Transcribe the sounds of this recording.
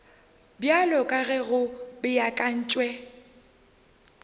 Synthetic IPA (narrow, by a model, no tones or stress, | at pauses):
bjalɔkʼaɣɛɣʊbɪjakʼan̩ːt͡ʃʼwɛ